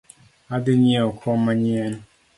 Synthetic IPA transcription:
adɪɲɛɔkʰɔmaɲɛn

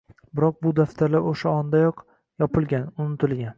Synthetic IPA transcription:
bɪɾɒq̚bʊd̪aft̪ʰaɾlaoʃaɒnd̪ajɒq | jɒpɪlɡʲanʊnɪt̪ʰɪlɡʲan

